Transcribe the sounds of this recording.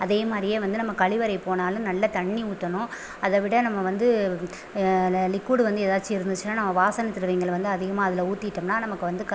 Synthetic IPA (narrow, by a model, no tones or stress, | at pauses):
ɐðeːmaːd̪ɾɪjeːʋɐnd̪ɯnɐmːɐkɐɭɪʋɐɾɐɪpoːnaːlɯ̃nɐlːɐt̪ɐɳːiuːt̪ːɐnʊ̃ | ɐðɐʋɪɽɐnɐmːɐʋɐnd̪ɯ | lɪkːuːɽʋɐnd̪ɯɛðaːɾt͡ʃːiɪɾɯnd̪ɯt͡ʃːɯnːaːnɐmːɐʋaːsɐnɐt̪ːɪɾɯʋɐɪŋɡɐɭʋɐnd̪ɯɐðɪɣɐmaːɐðɪlɐuːt̪ːɪʈːɐmnaːnɐmɐkːɯʋɐnd̪ɯ